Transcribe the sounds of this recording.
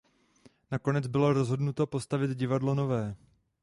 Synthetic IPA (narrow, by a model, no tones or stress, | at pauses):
nako̞nɛd͡zbɪloɾo̞zɦo̞dnut̪opo̞st̪avɪt̪ɟɪvadlo̞no̞vɛː